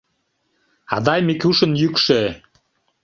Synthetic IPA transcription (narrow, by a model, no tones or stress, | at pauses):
ɑ̰d̪ɑjmikʲuʃə̆njykʃø